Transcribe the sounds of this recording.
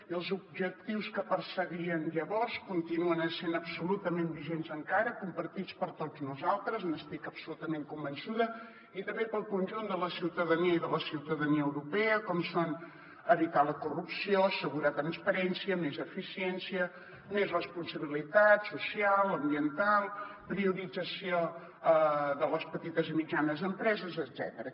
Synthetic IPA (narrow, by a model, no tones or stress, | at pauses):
iəlˠzub̚ʒək̚t̪iwskəpəɾsəɣiənʎəβɔɾskunt̪inuənəsenəbsulut̪əmembiʒenzəŋkaɾəkumpəɾt̪it͡spəɾt̪od͡znuzalˠt̪ɾəznəst̪ikəpsulut̪əmeŋkumbənsuðə | it̪əmbepəlˠkunʲʒund̪ələsiwt̪əðəniəiðələsiwt̪əðəniəwɾupɛəkɔmson | əβit̪aləkurupsioəsəɣuɾət̪ɾənspəɾɛnsiəmezəfisiɛnsiə | mezrəspunsəβilit̪at̪susialˠəmbiənt̪alˠpɾiuɾid͡zəsio | əðələspət̪it̪əzəmid͡ʒanəzəmpɾɛzəzəd̪z̥ɛ̰t̪əɾə